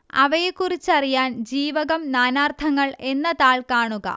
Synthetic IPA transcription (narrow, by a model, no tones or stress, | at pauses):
ɐ̰ʋɐjekːurit͡ɕːɐrijaːnd͡ʑiːʋɐɣɐmnaːnaːrt̪ʰɐŋːɐɭe̞nːɐðaːɭkaːɳuɣɐ̰